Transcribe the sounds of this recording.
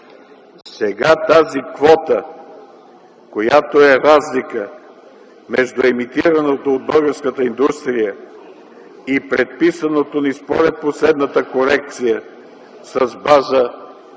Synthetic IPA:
sɛɡat̪azikvɔt̪ə | kojat̪oɛɾazlikə | mɛʒd̪ʊɛmit̪iɾənot̪oːd̪̚bəɡəɾskət̪əind̪ust̪ɾijə | ipɾɛt̪̚pisənot̪onispoɾɛt̪̚poslɛd̪nət̪əkoɾɛk̚t̪sijə | sɐzbazə

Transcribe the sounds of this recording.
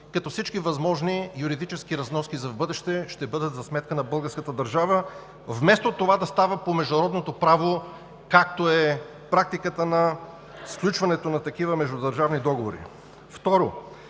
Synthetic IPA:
kɐt̪ɔfsit͡ʃkivɐzmɔʒnijuɾid̪it͡ʃɛskiɾɐznɔskizɐvbɤd̪ɛʃt̪ɛʃt̪ɛbɤd̪ət̪zɐsmɛt̪̚kənɐbɤlˠɡəɾskət̪əd̪ɐɾʒavə | vmɛst̪ot̪ovad̪ɐst̪avəpomɛʒd̪ʊɾɔd̪not̪opɾavo | kak̚t̪oɛ | pɾak̚t̪ikət̪ənɐ | sklʲut͡ʃvɐnɛt̪onɐt̪ɐkivəmɛʒd̪ʊd̪ɐɾʒavnid̪ɔɡovoɾḭ | ft̪ɔɾo

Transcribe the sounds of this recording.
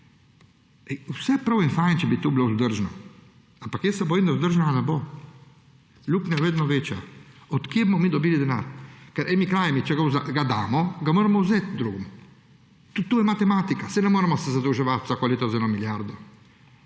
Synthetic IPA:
ɛjusɛpɾɐwɛnfajnt͡ʃɛbit̪ubilozd̪əɾʒnɔ | ampakjɛsɛboind̪azd̪əɾʒnaanɛbo | luknɛveːd̪nɔʋeːt͡ʃja̰ɔt̪kjebmɔmid̪ɔbiːlid̪ɛna̰ɾkɛɾʔɛmikɾaːjmit͡ʃɛɡawzaɡad̪aːmɔɡamoːɾɛmɔwzet̪̚d̪ɾuɡm | t̪ut̪ːujɛmat̪ɛmaːt̪ikasɛnɛmoːɾɛmɔsɛzad̪əwʒɛʋat̪zakoleːt̪ɔzɛnɔmiljaɾd̪ɔ

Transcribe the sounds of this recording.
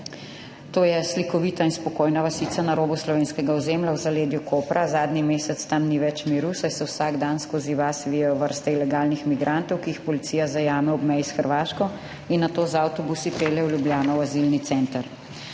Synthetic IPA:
t̪oːjɛslikɔʋiːt̪ainspɔkoːjnaʋasit̪sanaɾoːbuslɔʋeːnskɛɡaɔzeːmlawzaleːd̪jukʰoːpɾʔazaːd̪nimeːsɛt̪st̪amniʋɛt͡ʃmiːɾusajsɛwsaːɡd̪anskoːziʋasʋiːjɛjɔʋəɾst̪ɛilɛɡaːlnixmiɡɾʔant̪ɔwkiixpɔlit̪siːjazajaːmɛɔbmɛjisxəɾʋaːʃkɔ | inːat̪oːzawt̪ɔbusipɾeːlɛwljubljaːnɔwazilnit̪sɛːnt̪əɾ

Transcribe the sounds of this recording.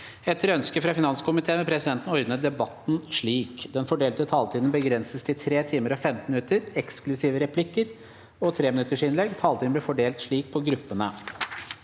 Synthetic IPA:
ɛt̪ːəɾœnskəfɾɑfɪnɑnskʰʊmɪt̪ʰeːmɛpʰɾɛsɪd̪ɛnt̪n̩ɔɾnəd̪ɛbɑt̪n̩ʂɭiːkd̪ɛnfɔɖeːlt̪ət̪ʰɑːlt̪ʰiːd̪n̩bəɡɾɛnsəst̪ʰɪlt̪ʰɾeːt̪ʰiːməɾɔfɛmt̪nmɪnʉt̪əɾɛksklʉsiːʋəɾɛpʰlɪkːəɾ | ɔt̪ʰɾeːmɪnʉt̪ːəʂɪnlɛɡːt̪ʰɑːlt̪iːd̪blɪɾfɔɖeːlt̪ʂɭiːk̚pʰɔɡɾʉpːənə

